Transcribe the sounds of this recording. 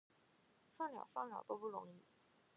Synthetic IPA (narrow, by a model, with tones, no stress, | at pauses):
fɑ˥˩ŋljɑ̰˨˩ʊfɑ˥˩ŋljɑ˨˩ʊt̪o˥ʊpu˥˩ɻʊ̰˧˥ŋi˥˩